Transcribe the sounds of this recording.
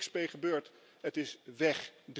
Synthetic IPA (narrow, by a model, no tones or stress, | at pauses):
kspejχəbøːɹt | ɦətɪsʋɛχd